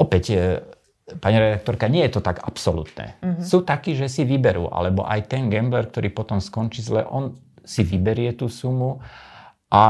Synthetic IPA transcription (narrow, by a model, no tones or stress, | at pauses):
ɔpɛc | paɲiɾɛd̪ak̚t̪ɔɾkaɲɪɛjɛt̪ɔt̪aɡa̰psɔlṵt̪nɛ̰suːt̪akiːʒɛsiʋibɛɾṵːʔa̰lɛbɔ̰ʔa̰jt̪ɛnɡɛmblɛɾk̚t̪ɔɾiːpɔt̪ɔmskɔnt͡ʃiːzlɛ̰ʔɔn | siʋibɛɾɪɛt̪uːsumu | ʔa